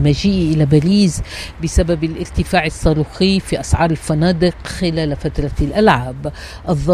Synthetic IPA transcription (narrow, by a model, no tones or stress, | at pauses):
maʒiːʔʔɪlabaɾiːzbɪsababɪlʔɪɾt̪ɪfaːʕɪsˤːɑːɾˤuːxɪjfiʔɑsʕɑːɾˤɪlfanɑːd̪ɪqxɪlaːlfat̪ɾˤɑlʔalʕab | ʔɑðˤːɑ